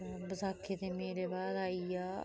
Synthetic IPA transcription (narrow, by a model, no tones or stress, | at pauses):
bəzaːkʰːeːt̪eːmeːɾeːbaːd̪aːiːaː